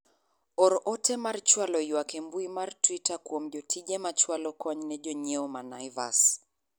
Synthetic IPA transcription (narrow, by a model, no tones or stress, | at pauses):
ɔɾɔʔɔtɛmart͡ʃwalɔiwakɛmbuimartwitakuɔm̩d͡ʒɔtʰid͡ʒɛmat͡ʃwalɔkɔɲnɛd͡ʒɔɲɛɔmanajva̰s